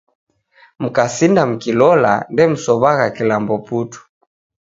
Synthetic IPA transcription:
m̩kasindam̩kilɔla̰ndɛm̩sɔβaɣakilambɔputu̥

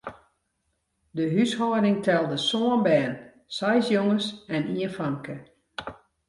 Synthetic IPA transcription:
dəɦyshɔːɾɪŋtʰɛlˠdəsoənbɛːn | sajsjoŋəsɛniənfaŋkə

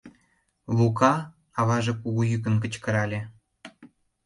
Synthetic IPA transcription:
lukɑ | ɑβɑʒekuɣujyk̬ə̆nkə̆t͡ɕkə̆ɾɑlʲe

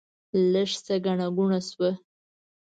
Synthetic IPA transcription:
ləʂsaɡaɳaɡuɳaswə

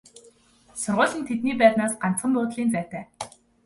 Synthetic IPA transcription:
sʊrʁʊːɮə̆nt̪ʰet̪niːpæːt̪naːsɢan̥t͡sχə̆mp̪ʊːt̪ɮiːnt͡sæ̥ːt̪æː

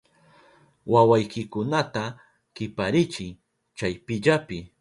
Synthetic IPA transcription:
wawajkɪkʊnat̪a | kɪpaɾɪt͡ʃɪŋ | t͡ʃajpɪʎapɪ

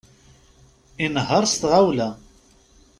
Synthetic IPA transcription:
inɦəɾˤst̪ʁawlæ

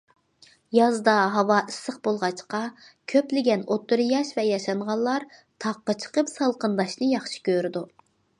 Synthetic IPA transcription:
jɑzd̪ɑɦɑwɑʔɪsːəqbolˠʁɑt͡ʃqɑkʲʰøplɪɡʲɛnot̪ʰːuɾjɑʃvɛjɑʃɑɴʁɑllˠɑɾt̪ʰɑqːət͡ʃʰə̥qəpsɑlˠqənd̪ɑʃnɨjɑχʃi̥kʲʰøɾɪd̪u

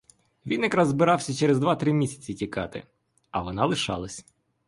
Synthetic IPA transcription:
ʋʲinjɐkɾɑzːbɪɾɑwsʲɐt͡ʃɛɾezd̪ʋɑt̪ɾɪmʲisʲɐ̥t͡sʲitʲikɑ̰t̪ɪ̰ | ɐʋɔnɑlˠɪʃɑ̰lˠɐsʲ

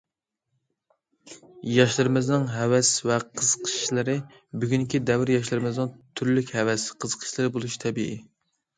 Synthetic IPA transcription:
jɑʃlˠɨɾɨmɨznɨŋɦɛwɛsvɛqʰəzəqʰə̥ʃlˠɨɾɨ | byɡʲyŋkʲid̪ɛvɾjɑʃ̬lˠɨɾɨmɨznɨŋt̪ʰyɾlykʲhɛwɛsqʰəzəqʰə̥ʃlˠɨɾɨbolˠuʃi̥t̪ʰɛbiʔi

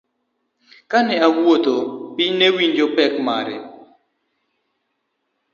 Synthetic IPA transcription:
kanɛawwot̪opɪnewiɲd͡ʒopɛkmaɾɛ̰

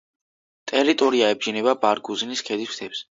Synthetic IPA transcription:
t̪ʼɛɾit̪ʼɔɾiaɛb̚d͡ʒinɛbabaɾɡuziniskʰɛd̪ist̪ʰɛps

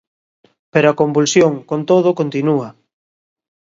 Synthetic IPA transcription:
peɾoakombulsjoŋkont̪oðokont̪inuɐ

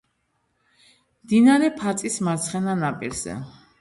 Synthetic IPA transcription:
md̪inaɾɛpʰat̪sʼismaɾt̪sʰχɛnanapʼiɾz̥ɛ̰

